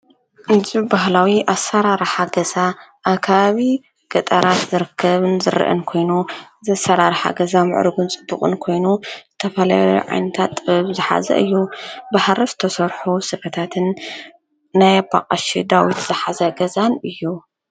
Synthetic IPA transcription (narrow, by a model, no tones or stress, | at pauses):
ʔɨzibaɦlawiʔasɐɾaɾħaɡɐzaʔːkʰaβaβi | ɡ̥ɐt̪ʼɐɾat̪zɨɾɨkʰːɐβɨnzɨɾɨ̰ʔɨ̰nkʰo̞jnuzɐsɐɾaɾħa̰ɡɐzamɨ̰ʕɾɨɡunt͡sʼɨbːuχʼɨ̰nkʰo̞jnuzɨt̪ʰɐfɐlaj̰ʕa̰jnɐt̪ʰat̪zɨħa̰zɐ̰ʔɨjːubahɾizɨt̪ʰɐsɐɾħusɨfɐt̪ʰat̪ʰɨnː | ajaba̰qʼɐʃid̪awit̪z̥ɨħazɐɡɐzanɨjːu